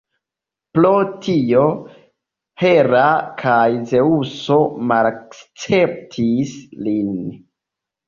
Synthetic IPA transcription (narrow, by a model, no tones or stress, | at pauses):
plotʰio | he̞ɾakʰajze̞uso̞malkt͡se̞p̚tʰislin